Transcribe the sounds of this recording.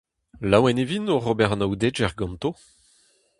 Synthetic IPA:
lawɛnevinoʁobɛʁɑnawd̪ed͡ʒɛʁɡɑ̃mt̪o

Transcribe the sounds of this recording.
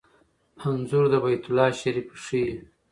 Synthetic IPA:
hanzuɾd̪əbajt̪ulɑːʃaɾifʂi

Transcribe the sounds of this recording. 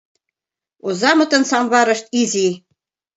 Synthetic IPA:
uzɑmɤ̆t̪ɤ̆nsɑmβɑɾɤ̆ʃt̪̚izi

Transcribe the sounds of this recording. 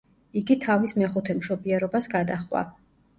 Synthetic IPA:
iɡit̪ʰavismɛχut̪ʰɛmʃɔbiɛɾɔbasɡad̪aχʼwa̰

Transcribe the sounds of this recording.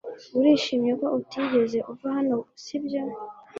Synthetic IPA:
uɾiːʃiːmɲeko̞ʔutʰiːɟe̞ze̞ʔuvahano̞sibjo

